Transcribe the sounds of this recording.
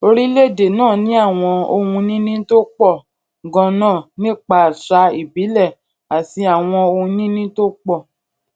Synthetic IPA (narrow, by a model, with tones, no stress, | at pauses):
o˧ɾi˦le˦˨de˨nãː˦˨nĩ˨˦a˦˨w̃ɔ̃˧o˧hũ˧nĩ˦nĩ˦to˦k͡pɔ˦˨ | ɡɔ̃˧nãː˦˨nĩ˦˨k͡pa˧˨ʃa˧i˨bi˨˦lɛ˦˨ | a˨ti˧a˨w̃ɔ̃˧o˧hũ˧nĩ˦nĩ˦to˦k͡pɔ˦˨